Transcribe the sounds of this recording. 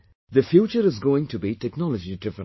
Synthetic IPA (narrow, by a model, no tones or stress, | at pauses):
d̪əfjuːt͡ʃəɾɪzɡoːɪ̃ŋʈʰubiʈɛknɔləd͡ʒiɖɪfə̃